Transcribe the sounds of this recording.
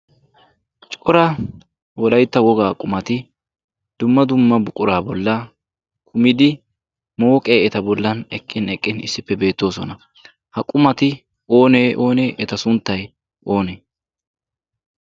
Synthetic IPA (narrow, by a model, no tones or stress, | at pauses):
t͡ʃʼɔɾɐ | wɔlɐjt̪ːɐwɔɡaːkʼʊmɐt̪ɪ | d̪̥ʊmːɐd̪ʊmːɐbʊkʼʊɾaːbɔlːɐ | kʰʊmɪd̪ɪ | mo̞ːkʼeːɛt̪ɐbɔlːɐnɛkʼːɪnɛkʼːɪnɪ̰sːɪpːɛbe̞ːt̪ːo̞ːsɔnɐ | hɐkʼʊmɐt̪ɪ | o̞ːneːʔo̞ːneːʔɛt̪ɐsʊnt̪ːɐj | ʔo̞ːneː